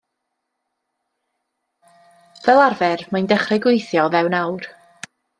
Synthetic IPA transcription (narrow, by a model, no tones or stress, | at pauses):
vɛlˠarvɛrmajndɛχrɛɡwɪjθjɔvɛwnawr